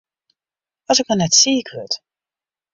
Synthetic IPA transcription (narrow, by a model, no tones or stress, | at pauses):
ɔsɪk̚mɔnɛtsiɪkʋøt